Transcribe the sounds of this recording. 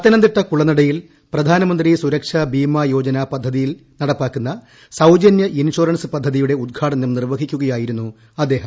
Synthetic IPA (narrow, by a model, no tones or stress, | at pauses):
ɐt̪ːɐnɐnd̪iʈːɐkuɭɐnːiɽɐjil | prɐd̪ʱaːnɐmɐnd̪risuɾɐkʂabiːmɐjo̞ːd͡ʑɐnapɐd̪ʱːɐðijilnɐɽɐpːaːkːunːɐ | sɐwd͡ʑɐnjɐʔiniɕoːɾɐɳsɨpɐd̪ʱːɐðijuɽe̞ud̪̚ɡʰʱaːʈɐnumnirʋɐɡʱikʲːuɣɐjaːjiɾunːu | ɐd̪ːe̞ːɦɐm